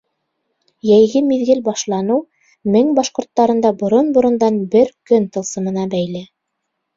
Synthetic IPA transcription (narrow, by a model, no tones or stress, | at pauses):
jæjɡɘmiðɡɘlbɑʃlˠɑnɤw | mɘŋbɑʃqŏɾt̪ːɑɾɤ̆nd̪ɑbŏɾonbŏɾɤ̆nd̪ɑnbɘɾkɵnt̪ɤ̆lˠsɤ̆mɤ̆nɑbæjlɘ